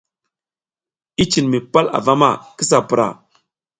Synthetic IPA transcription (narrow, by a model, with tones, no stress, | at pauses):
i˦t͡ʃi˨nmi˨pa˦la̰˨va˦ma̰˦˨ki˦s̬a˨pu˨ɾa̰˨